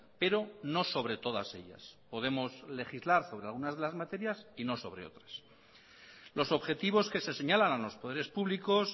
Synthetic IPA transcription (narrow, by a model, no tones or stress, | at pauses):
pe̞ɾo̞no̞so̞βɾe̞t̪o̞ðase̞̰ʎa̰spo̞ðe̞mo̞sle̞xizlaɾso̞βɾe̞alɣunazð̞e̞lazmat̪e̞ɾjasino̞so̞βɾe̞̰o̞̰t̪ɾḁs | lo̞so̞βxe̞t̪iβo̞ske̞se̞se̞ɲalanalo̞spo̞ð̞e̞ɾe̞spuβliko̞s